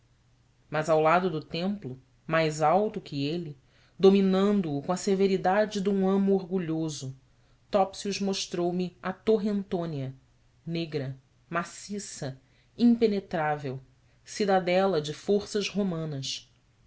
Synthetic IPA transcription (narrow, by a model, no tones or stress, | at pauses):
mɐzawlad̪ʊd̪ʊt̪ẽmplʊ | majzawt̪ʊkʰɪelɪ | d̪ominɐ̃nd̪ʊːkõɐseveɾid̪ad͡ʒɪd̪ũɐ̃mʊoɾɡuʎozʊ | t̪ɔpsiuzmoʃt̪ɾowmɪɐt̪oɦẽnt̪õniɐ | neɡɾɐ | masisɐ | ĩpenet̪ɾavew | sid̪ad̪ɛlɐd͡ʒɪfoɾsɐzhomɐ̃nɐs